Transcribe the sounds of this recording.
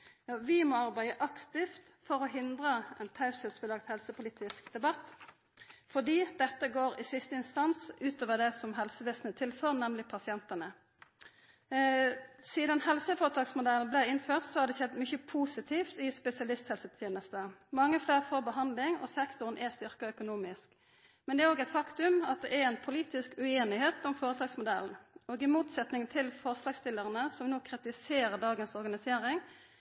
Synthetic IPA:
ʋɪmɔɑʁbæɪəʔɑkt̪ɪft̪fɔʁɔɦɪnd̪ʁəɛnt̪ʰɑʉsəlsbəlɑɡ̚t̪hɛlsəpʊliːt̪ɪskd̪ɛbɑt̪ː | fɔd̪iːd̪ɛt̪ːəɡoːʁɪsɪst̪əɪnst̪ɑnsʉːt̪oːʋəd̪ɛsɔmɦɛlsəʋeːsənət̪ʰɪlføːʁnɛmlɪpʰɑsɪɛnt̪ənə | siːd̪ɑnhɛlsəfoːʁət̪ʰɑːɡsmʊd̪ɛl̩blæɪɪnføːʁt̪sɔhɑd̪d̪ɛçɛd̪ːmʏçəpʰuːsɪt̪ʰiːft̪ɪspɛsɪɑlɪst̪hɛlsət̪ʰjeːnəst̪əmɑŋːəfleːʁfɔʁbəɦɑnd̪lɪŋɔ̰sɛkt̪ʊʁnʔɛst̪ʏʁkəœkʊnuːmɪsk | mɛnd̪ɛɾoːɡɛɪt̪fɑkt̪ʉmɑt̪̚d̪ɛʔɛɾɛnpʰʊliːt̪ɪskʉeːnɪheːt̪ʊmfoːʁət̪ʰɑːɡsmʊd̪ɛlnoːɡɪmuːt̪sɛt̪nɪŋt̪ʰɪlfɔʁslɑːɡst̪ɪlːəʁənəsɔmnoːkʰʁɪt̪ɪseːɾəd̪ɑːɡənsɔʁɡɑnɪseːɾɪŋ

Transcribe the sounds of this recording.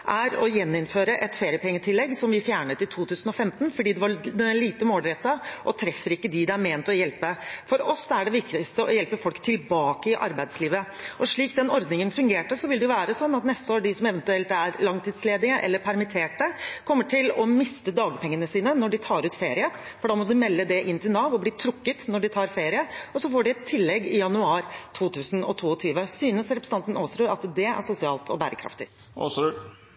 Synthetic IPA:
ʔæɾɔjɛnːɪnføːɾəʔɛt̪feːɾɪəpɛŋːət̪ʰɪlːɛɡːsɔmʋɪfjæːɳət̪ɪlt̪ʰuːt̪ʰʉːsn̩ɔfɛmt̪nfɔɖiːd̪ɛʋɑd̪liːt̪əmoːlɾɛt̪ːɑʔɔt̪ʰɾɛfːəɾɪkːəd̪ɪd̪ɑæɾmeːnt̪ɔjɛlpəfɔɾɔsːæɖɛʋɪkt̪ɪst̪əʔɔjɛlpəfɔlkt̪ʰɪlbɑːkəɪʔɑ̰ɾbæɪd̪sliːʋəʔɔʂɭiːk̚d̪ɛnɔɾd̪nɪŋənfʉŋɡeːʈəsɔʋɪld̪ɛjʊʋæːɾəsɔnːɑt̪nɛst̪əoːɖɪsɔmɛʋɛnt̪ʉɛlt̪æɾlɑŋt̪ʰɪd̪sleːd̪ɪəʔɛ̰lːəɾpʰæɾmɪt̪ʰeːʈəkʰɔmːəʈʰɪlɔmɪst̪əd̪ɑːɡəpʰɛŋːənəsiːnənɔɖɪt̪ʰɑːɾʉːt̪feːɾɪə | fɔɖɑːmɔd̪ɪmɛlːəd̪ɛʔɪnːt̪ʰɪlnɑːʋɔbliːt̪ʰɾʊkːət̪nɔɖɪt̪ʰɑːɾfeːɾɪəɔsɔfoːɖɪɛt̪ʰːɪlːɛɡɪjɑnʉɑːɾt̪ʰuːt̪ʰʉːsn̩ɔ̰t̪ʰuːɔt̪ʰyːʋəsyːnəsɾɛpɾəsɑnt̪ənoːsɾuːɾɑt̪d̪ɛæ̰ʂʊsɪɑːlt̪ʰɔ̰bæːɾəkʰɾɑ̰ft̪ɪ | os

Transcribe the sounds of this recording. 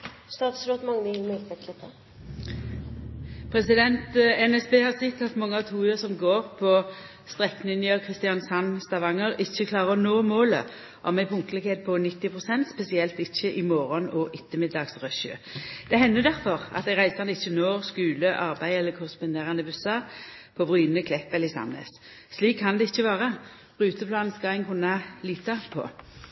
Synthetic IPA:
st̪ɑːt̪sɾoːt̪mɑŋɪɪlmɛlt̪ɛkʰɪt̪ʰə | pʰʁɛsɪd̪ɛnt̪ɛnɛsbeːhɑʁsɪt̪ːɑt̪mɑŋːəɑʋt̪ʰuːʉəsɔmɡoːʁpʰɔ | st̪ʁɛkːnɪnəkʰʁɪst̪ɪɑnsɑnst̪ɑʋɑŋəʁɪçːəkʰlɑːʁəʁɔnoːmoːlə̰ | ʔɔmæɪpʰʊŋkəlɪkheːd̪̚pʰɔnɪt̪ːɪpʰʁʊsɛnt̪spɛsɪɛlt̪ɪçːəʔɪmoːɾɔnɔʔɪt̪ːəmɪd̪ɑːɡsʁœʃø̰ːd̪̥ɛɦɛnːəd̪æʁfɔʁɑ̰t̪d̪æɪʁæɪsɑnəɪçːənoːskʉːləʔɑʁbæɪɛlːəkʰʊʁəspʊnd̪eːʁɑnəbʉsɑpʰɔbʁyːnəkʰlɛpːɛləɪsɑ̰nə̰s | sliːkʰːɑnd̪ɛɪçːəʋɑːʁə | ʁʉːt̪əpʰlɑːnn̩skɑæɪŋkʰʊnːɑliːt̪ɑpʰɔ̰

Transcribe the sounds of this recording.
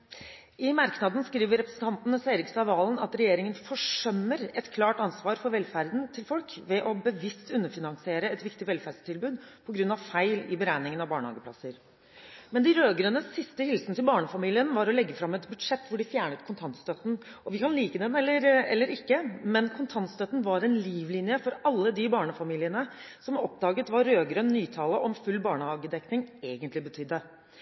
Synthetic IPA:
ɪmɑɾknɑd̪n̩skɾiːʋəɾɛpɾəsn̩t̪ɑnt̪n̩əseɪɾɪkst̪ɑːʋɑːln̩ɑt̪ɾɛjeːɾɪŋənfɔʂœmːəɾɛt̪kʰlɑːʈɑnsʋɑːɾfɔɾʋɛlːfæɾd̪n̩t̪ʰɪlfɔlkʋɛʔɔbəʋɪst̪ʉnːəfɪnɑnsɪeːɾəɛt̪ʋɪkt̪ɪʋɛlfæɖst̪ʰɪlbʉːd̪pʰɔɡɾʉnːɑʋfæɪlɪbəɾæɪnɪŋənɑʋbɑːɳəhɑ̰ːɡəpʰlɑ̰səɾ | mɛnd̪ɪɾøːɡɾøːnəsɪst̪əhɪlsənət̪ɪlbɑːɳəfɑmiːlɪənʋɑɾɔlɛɡːəfɾɑmɛt̪bʉd̪ʂɛt̪ːʋʊɖɪfjæːɳət̪kʰʊnt̪ʰɑnt̪st̪œt̪ːn̩ | ɔʋɪkʰɑnliːkəd̪ɛnɛlːəɾɛlːəɾɪkːəmɛnkʰʊnt̪ʰɑnt̪st̪œt̪ːn̩ʋɑɾɛɪnliːʋlɪːnjəfɔɾɑlːəd̪ɪbɑːɳəfɑmiːlɪənəsɔmɔpd̪ɑːɡət̪ʋɑɾːøːɡɾønːyːt̪ʰɑːləʔɔmfʉlːbɑːɳəhɑːɡəd̪ɛknɪŋeːɡənt̪lɪbət̪ʰʏd̪ːə

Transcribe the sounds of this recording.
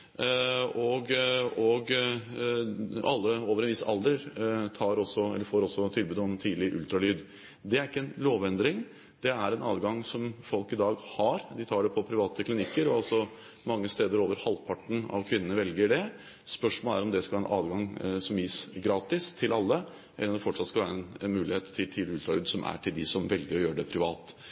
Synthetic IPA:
ɔɡɔɡ | ɑlːəoːʋəɾɛnʋɪsɑ̰ld̪əɾt̪ʰɑːɾɔsːɔɛ̰lːəɾfoːɾɔsːɔt̪ʰɪlbʉːd̪ɔmt̪ʰiːd̪lɪʔʉ̰lt̪ɾɑlyːd̪ | d̪ɛæɾɪkːəɛnloːʋɛnd̪ɾɪŋ | d̪̥ɛæɾɛnɑ̰ːd̪ɡɑŋsɔmfɔlkɪd̪ɑːɡhɑɾd̪ɪt̪ʰɑːɖɛpʰɔpʰɾɪʋɑːt̪əkʰlɪnɪkːəɾɔɑlsɔ | mɑŋːəst̪eːd̪əɾoːʋəɾhɑlːpʰɑʈːɳ̩ɑ̰ʋkʰʋɪnːənəʋɛlɡəɖɛ | spœʂmoːlæɾɔmd̪ɛskɑlʋæːɾɛnʔɑ̰ːʋ̪ɡɑŋsɔmjiːsɡɾɑːt̪ɪst̪ʰɪlɑlːə | ʔɛ̰lːnɔmd̪ɛfɔʈʂɑt̪skɑlʋæːɾəɛnɛnmʉːlɪheːt̪ʰːɪlt̪ʰiːd̪ɪʉlt̪ɾɑlyːd̪sɔmʔæ̰ʈʰɪld̪ɪsɔmʋɛlɡəɾɔjøːəɖɛpʰɾɪʋɑ̰ːt̪

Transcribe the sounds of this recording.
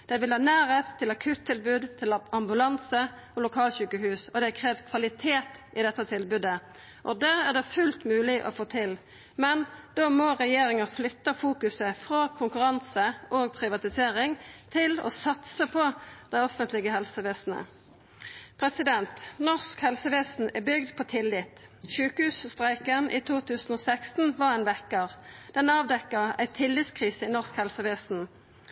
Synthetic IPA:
d̪̥ɛʋɪlhɑːnæːʁeːt̪ʰːɪlɑkʰʉːt̪ʰːɪlbʉːd̪t̪ʰɪlɑmbʉlɑnsə | ɔlʊkʰɑːlçʉːkəɦʉːsɔd̪ɛkʰʁeːʋkʰʋɑlɪt̪ʰeːt̪ʔɪd̪ɛt̪ːət̪ʰɪlbʉd̪ə | ʔɔd̪æːʁæʁd̪ɛfʉlt̪mʉːlɪʔɔ̰foːt̪ʰɪl | mɛnd̪̥oːmɔʁɛjeːʁɪŋəflʏt̪ːəfuːkʉsəfʁɑːkʰʊŋkʉʁɑnsəʔoːɡpʰʁɪʋɑt̪ɪseːʁɪŋt̪ʰɪlɔ̰ːsɑt̪səpʰɔd̪̥æɪɔfənt̪lɪɡəhɛlsəʋeːsn̩ə̰ | pʰʁɛsɪd̪ɛnt̪nɔskhɛlsəʋeːsn̩æbʏɡd̪pʰɔt̪ʰɪlːɪt̪ʃʉːkəhʉːsst̪ʁæɪkəʁnʔiːt̪ʰuːt̪ʰʉːsn̩oːsækst̪n̩ʋɑʁæɪnʋɛkːəʁd̪̥ɛnɑːʋd̪ɛkːəʁæ̰ɪt̪ʰɪlːɪt̪skʰʁiːsəɪnɔʁskhɛlsəʋeːsn̩

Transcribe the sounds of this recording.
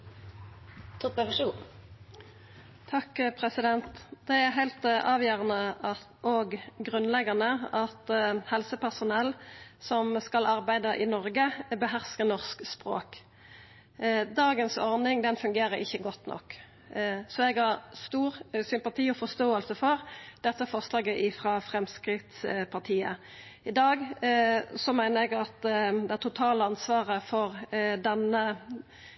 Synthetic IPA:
t̪ʰɔpəʋəʃuː | t̪ʰɑkːpʰʁɛsɪd̪ɛnt̪d̪̥ɛæʁɦæɪlt̪ɑːʋjøːʁənəʔɑ | ʔoːɡɡʁʉnlɛɡɑʁnəɑt̪hɛlsəpʰæʁsʊnɛlsɔmskɑlɑʁbæɪd̪ɑʔɪnɔʁɡəbəɦæʁskəʁnɔʁskspʁo̰ːk | d̪ɑːɡənsɔʁnɪŋd̪ɛnfʉŋɡeːɾəɾɪçːəɡɔt̪ːnʔɔ̰kː | sɔɛɡhɑʁst̪uːʁsʏmpɑt̪ʰiːɔfɔʁst̪oːəlsəfɔʁd̪̥ɛt̪ːəfɑʁslɑːɡəʔɪfɾɑfʁɛmskɾɪt̪spʰɑʁt̪ʰiːə̰ | ɪd̪ɑːɡ | sɔmæɪnəʁɛɡɑt̪d̪ɛæʁt̪ʰʊt̪ʰɑːləɑnsʋɑːʁəfɔʁd̪ɛnə

